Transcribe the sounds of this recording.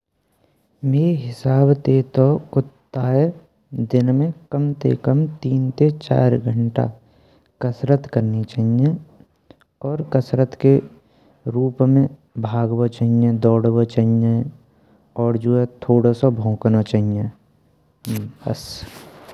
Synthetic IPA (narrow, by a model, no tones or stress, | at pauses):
meːɾiɦɪsaːbt̪eːt̪okʊt̪ːaːe | d̪ɪnmẽkəmt̪ḛkəmt̪iːnt̪et͡ʃa̰ːɾɡʱəɳʈa̰ | kəsɾət̪kəɾnit͡ʃaːɦijẽ | ɔːɾkəsɾət̪ke | ɾuːpmẽ | bʱaːɡbot͡ʃaɦiẽd̪ɔːɽbət͡ʃaɦiẽ | ɔːɾd͡ʒuːɛt̪ʰoːɽasobʱõːknot͡ʃaːɦijẽ | bɐ̰s